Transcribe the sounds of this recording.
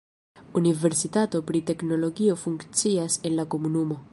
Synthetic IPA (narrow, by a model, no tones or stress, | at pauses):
univeɾsit̪at̪opɾit̪eknoloɡiofuŋkt͡siasenlakomunumo